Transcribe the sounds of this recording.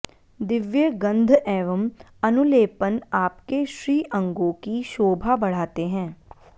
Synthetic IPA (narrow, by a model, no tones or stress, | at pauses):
d̪ɪʋjəɡə̃nd̪ʱɛːʋəmənʊleːpənaːpkeʃɾiːʔə̃ŋɡõkiʃoːbʱaːbəɽ̤aːt̪eɦɛ̃ː